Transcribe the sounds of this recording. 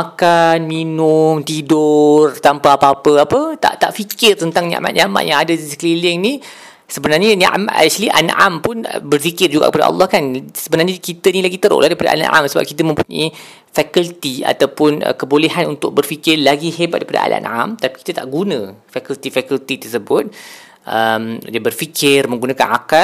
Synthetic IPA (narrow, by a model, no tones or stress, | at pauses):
makanminʊmt̪idʊrt̪ampaːpaapəapət̪a̰ʔt̪aʔfikɪrt̪ənt̪aŋɲa̰ʔma̰ʔɲãʔma̰ʔjãŋadadisə̥kliliŋni | səbənarɲəna̰ʔmaʔa̰ʃliʔa̰nʔampʊnbərfikɪrd͡ʒuɡa̰kəpada̰ɑ̰lːɑhkansəbənarɲakit̪ənilaɡit̪əɾo̰ʔlʔahdaipada̰ʔa̰na̰ʔa̰msəba̰p̚kit̪əmə̃mpuɲa̰i | fɛkəlt̪ia̰t̪awpʊnə̰kəbolɛɦanunt̪ʊk̚bərfikɪrlaɡiɦebat̪̚dajpada̰ʔa̰la̰ʔnʔa̰mt̪api̥ki̥t̪at̪a̰ʔɡunə̃fakult̪ifɛkult̪it̪ərsəbʊt̪̚ | ʔəmdabərfikʰɪrmə̃ŋɡunãka̰naka